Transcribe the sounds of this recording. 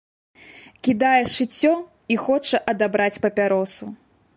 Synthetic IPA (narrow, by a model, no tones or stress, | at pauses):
kʲid̪ajɛʂɨt͡sʲːɔ | ixɔt͡ʂɐʔɐd̪abɾat͡sʲpɐpʲaɾɔsu